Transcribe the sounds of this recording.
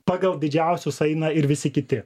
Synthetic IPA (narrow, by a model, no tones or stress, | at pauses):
pɑːɡɐlˠd̪ʲɪd͡ʒʲæˑʊsʲʊsɐɪnɑɪɾʋʲɪsʲɪkʲɪt̪ʲɪ